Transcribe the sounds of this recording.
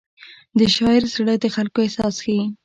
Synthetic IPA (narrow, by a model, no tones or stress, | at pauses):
d̪əʃɑɪɾsɽəd̪əxalkoesɑsxawi